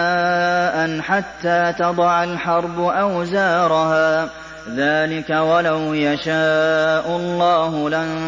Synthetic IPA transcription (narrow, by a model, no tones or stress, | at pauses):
aːʔanħat̪ːaːt̪ɑd̪ˤɑʕalħɑɾˤbʊʔawzaːɾˤɑɦaː | ðaːlɪkawalawjaʃaːʔʊlˤːɑːɦʊla